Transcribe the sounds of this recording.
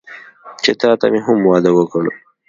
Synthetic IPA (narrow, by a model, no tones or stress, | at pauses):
t͡ʃet̪ɑːt̪a̰meɦʊmwɑːd̪ɐwəkəɽu